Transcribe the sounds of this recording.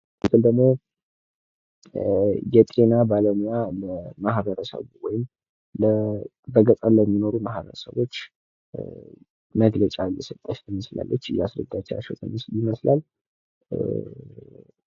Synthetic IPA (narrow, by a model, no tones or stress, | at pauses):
mɨt̪ʰɨld̪əɡmo̞ | jɛt̪ʼenabaləmjaəmahbəɾəsə̰βwɔjɪm | lə | bəɡət̪ʼanləmːino̞ɾumahbə̰ɾəsə̰βo̞t͡ʃː | məɡlət͡ʃʼajɛsət̪ʼːaʃɪməsla̰lːət͡ʃːjɛasɾə̰d̪ːat͡ʃːɛwa̰t͡ʃːɛwt̪ʰə̰mːsɪməslal